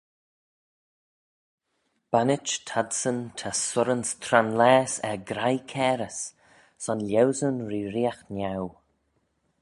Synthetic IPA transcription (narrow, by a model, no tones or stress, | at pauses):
b̥anɪt͡ʃtʰadsənt̪ʰasʊɾənst̪ʰɾanlɛːsɛɡɾajkʰɛːɾəs | sɔnlʲɛwzənɹiːɾiːaxnaw